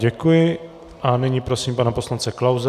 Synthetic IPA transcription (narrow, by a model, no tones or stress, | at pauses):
ɟɛkujɪ | ʔanɪɲipɾo̞siːmpanapo̞slant͡sɛklawz